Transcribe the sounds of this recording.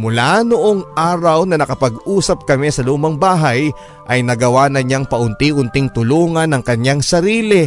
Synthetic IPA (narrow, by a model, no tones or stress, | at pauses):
mʊlanoʔoŋʔaːɾɐwnɐnɐkɐpɐɡʔuːsɐp̚kɐmɛsɐluːmɐŋbaːɦɐj | ʔɐjnɐɡɐwanɐɲaŋpɐʔʊnt̪iʔʊnt̪ɪŋt̪ʊluːŋɐnːɐŋkɐɲaŋsɐɾiːlɪ